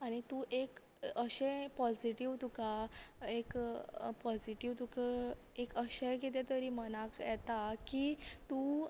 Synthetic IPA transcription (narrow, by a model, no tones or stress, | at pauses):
aɽ̃it̪uʔek | əɕẽpɔd͡ziʈiʋt̪ukaekpɔd͡ziʈiʋt̪uk | ekəɕek̬it̪ɛt̪əɾiːməñakjɛt̪akit̪u